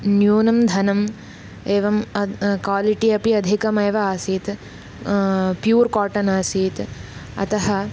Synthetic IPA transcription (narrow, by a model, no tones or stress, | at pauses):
njuːnɐmd̪ʱɐnɐm | eːʋɐmkaːliʈiɐpiɐd̪ʱikɐmɐːʋɐaːsiːt̪ | pjuːɾkaːʈɐnaːsiːt̪ɐ̰t̪ɐɦɐ